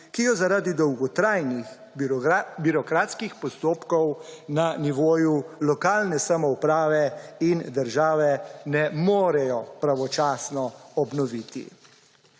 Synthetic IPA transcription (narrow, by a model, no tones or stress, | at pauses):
kijɔzaɾaːd̪id̪ɔwɡɔt̪ɾajnix | biɾɔkɾaːt̪skixpɔst̪oːpkɔwnaniʋoːjulɔkaːlnɛsamɔupɾaːʋɛind̪əɾʒaːʋɛnɛmoːɾɛjɔpɾaʋɔt͡ʃaːsnɔɔbnɔʋit̪ḭ